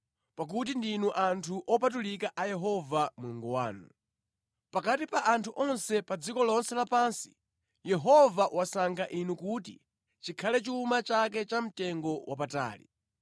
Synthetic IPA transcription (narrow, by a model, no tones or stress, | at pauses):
pak̬ut̬indinuʔantʰuʔɔpat̬ulikaʔajɛɦɔvamuuŋɡɔwa̰ːnu | pakatipaʔantʰuʔɔnsɛpad͡zikɔlɔnsɛlapansi̥ | jɛɦɔvawasaŋkʰaʔinukutḭ | t͡ʃikʰalɛt͡ʃuːmat͡ʃak̬ɛt͡ʃam̩tɛŋɡɔwʔap̬ata̰ːlḭ